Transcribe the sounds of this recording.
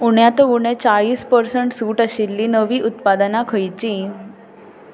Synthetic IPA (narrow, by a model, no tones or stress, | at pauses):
uɳjat̪ouɳ̃et͡saɭiːspəɾsəɳʈsuːʈaɕilːiːnəʋiːʔut̪pad̪ənakʰəjt͡ɕi